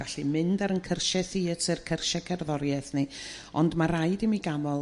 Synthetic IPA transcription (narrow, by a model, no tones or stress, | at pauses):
aɬimɪndaɾənkʰərʃɛθiətʰɨrkʰərʃɛkʰɛrðɔɾjɛθnɨ | ɔndmaɾajdɨmiɡamɔlˠ